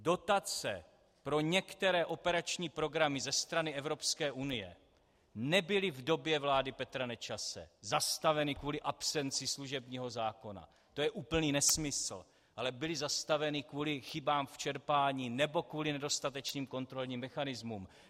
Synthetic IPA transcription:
do̞t̪at͡sɛ̰ | pɾo̞ɲɛkt̪ɛɾɛːʔo̞pɛɾat͡ʃɲiːpɾo̞ɡɾamɪzɛst̪ɾanɪɛvɾo̞pskɛːʔunɪjɛ̰ | nɛbɪlɪvdo̞bjɛvlaːdɪpɛt̪ɾanɛt͡ʃasɛ̰zast̪avɛnɪkvuːlɪʔapsɛnt͡sɪsluʒɛbɲiːɦo̞zaːko̞na̰ | t̪o̞jɛʔuːpl̩niːnɛsmɪsl̩ | ʔalɛbɪlɪzast̪avɛnɪkvuːlɪxɪbaːmft͡ʃɛɾpaːɲiːnɛbo̞kvuːlɪnɛdo̞st̪at̪ɛt͡ʃniːmko̞nt̪ɾo̞lɲiːmːɛxanɪzmum

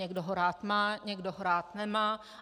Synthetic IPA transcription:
ɛɡdoɦoɾaːt̪maːɲɛɡdoɦoɾaːt̪nɛmaː

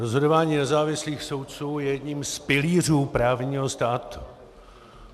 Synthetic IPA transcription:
ɾozɦo̞dovaːɲiːnɛzaːvɪsliːxso̞wt̪̚t͡suːjɛjɛdɲiːmspɪliːr̝uːpɾaːvɲiːɦo̞st̪aːt̪u̥

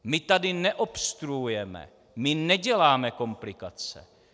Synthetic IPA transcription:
mɪt̪adɪnɛʔo̞pst̪ɾuujɛmɛ̰ | mɪnɛɟɛlaːmɛko̞mplɪkat͡sɛ̰

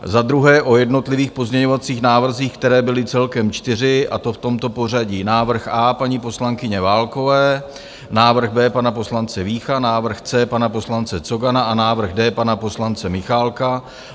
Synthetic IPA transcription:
zad̪ɾuɦɛːʔo̞jɛdno̞t̪lɪviːxpo̞zmɲɛɲo̞vat͡siːxnaːvr̩ziːxkt̪ɛɾɛːbɪlɪt͡sɛlkɛmt͡ʃt̪ɪr̝ɪʔa̰t̪o̞ft̪o̞mt̪o̞po̞r̝aɟiːnaːvr̩xʔaːpaɲipo̞slaŋkɪɲɛvaːlko̞vɛː | naːvr̩xbɛːpanapo̞slant͡sɛviːxanaːvr̩xt͡sɛːpanapo̞slant͡sɛt͡soɡanaʔanaːvr̩ɣdɛːpanapo̞slant͡sɛmɪxaːlka

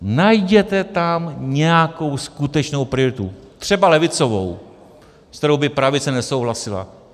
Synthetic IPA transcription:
najɟɛt̪ɛt̪amɲɛjako̞wskut̪ɛt͡ʃno̞wpɾɪoɾɪt̪ut̪r̝̥ɛbalɛvɪt͡so̞vo̰w | sk̪t̪ɛɾo̞wbɪpɾavɪt͡sɛnɛso̞wɦlasɪla̰

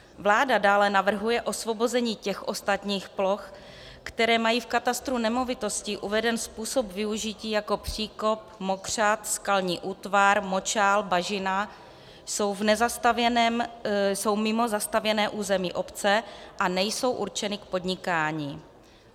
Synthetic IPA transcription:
vlaːdadaːlɛnavr̩ɦujɛʔo̞svo̞bo̞zɛɲiːcɛxʔo̞st̪at̪ɲiːxplo̞x | kt̪ɛɾɛːmajiːfkat̪ast̪ɾunɛmovɪt̪o̞scɪʔuvɛdɛnspuːso̞pvɪuʒɪciːjako̞pr̝̥iːko̞p̚mo̞kr̝̥at̪skalɲiːʔuːt̪vaɾmo̞t͡ʃaːlbaʒɪna | so̞wvnɛzas | so̞wmɪmo̞zast̪avjɛnɛːʔuːzɛmḭːʔo̞pt͡sɛʔanɛjso̞wʔuɾt͡ʃɛnɪkpo̞dɲɪkaːɲiː

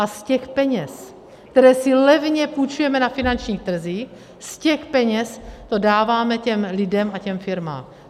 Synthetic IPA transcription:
ʔascɛxpɛɲɛs | k̚t̪ɛɾɛːsɪlɛvɲɛput͡ʃujɛmɛnafɪnant͡ʃɲiːxt̪r̩ziːx | scɛxpɛɲɛst̪o̞daːvaːmɛcɛmlɪdɛmacɛmfɪɾma̰ːm

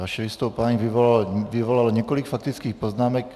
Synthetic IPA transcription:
ʋaʃɛʋist̪ɔʊpaɲiʋiʋɔlalʋiʋɔlalɲɛkɔlikfak̚t̪it͡skiːxpɔznaːmɛk

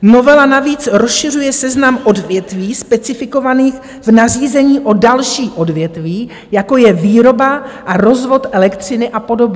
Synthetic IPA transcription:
no̞vɛlanaviːt͡sɾosʃɪr̝ujɛsɛznamʔo̞dvjɛt̪viːspɛt͡sɪfɪko̞vaniːx | vnar̝iːzɛɲiːʔo̞dalʃiːʔo̞dvjɛt̪viː | jako̞jɛviːɾo̞baʔaɾo̞zvo̞t̪ʔɛlɛkt̪r̝̥ɪnɪʔapo̞do̞bɲɛ

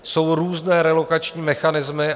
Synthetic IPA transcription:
so̞wɾuːznɛːɾɛlo̞kat͡ʃɲiːmɛxanɪzmɪ

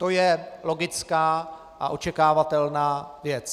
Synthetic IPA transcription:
t̪o̞jɛlo̞ɡɪt͡skaː | ʔaʔo̞t͡ʃɛkaːvat̪ɛlnaːvjɛt͡s

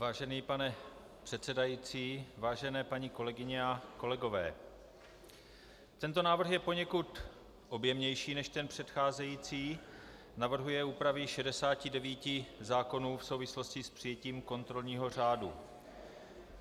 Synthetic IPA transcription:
vaːʒɛniːpanɛ | pr̥ɛt̪sɛdajiːt͡siːvaːʒɛnɛːpaɲiːko̞lɛɡɪɲɛako̞lɛɡo̞vɛ̰ː | t̪ɛnt̪o̞naːvr̩xjɛpo̞ɲɛkut̪ | ʔo̞bjɛmɲɛjʃiːnɛʃt̪ɛnpr̝̥ɛt̪xaːzɛjiːt͡siː | navr̩ɦujɛuːpɾavɪʃɛdɛsaːcɪdɛviːcɪzaːko̞nuːfso̞wvɪslo̞scɪspr̥ɪjɛciːmko̞nt̪ɾo̞lɲiːɦo̞r̝aːdu

